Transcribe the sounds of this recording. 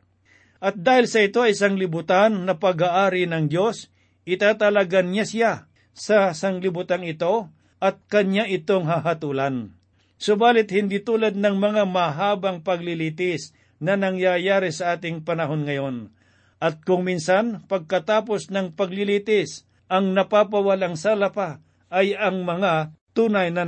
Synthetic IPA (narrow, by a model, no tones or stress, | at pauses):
ʔɐt̪̚d̪aːhɪlsɐɪt̪o̞ɐjɪsaŋlɪbʊt̪anːɐpɐɡaʔaːɾɪnɐŋd̪jo̞s | ɪt̪aːt̪ɐlaɡanɲasɪja | sɐsɐŋlɪbʊt̪anɪt̪o̞ | ʔɐt̪̚kɐɲaʔɪt̪o̞ŋɦaɦɐt̪ulan | sʊbaːlɪt̪̚hɪnd̪iːt̪uːlɐd̪̚nɐŋmɐŋamɐɦaːbɐŋpɐɡlɪliːt̪ɪs | nɐnɐŋjajaːɾɪsɐʔaːt̪ɪŋpɐnɐɦo̞nŋɐjo̞n | ʔɐt̪̚kʊŋminsanpɐɡ̚kɐt̪aːpo̞snɐŋpɐɡlɪlit̪ɪs | ʔɐŋnɐpapɐwɐlaŋsaːlapa | ʔɐjɐŋmɐŋat̪uːnajnɐ